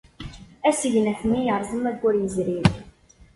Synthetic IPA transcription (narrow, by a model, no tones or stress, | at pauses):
æsəʝnæθnːijəɾˤzˤəmæɡːʊɾjəzɾim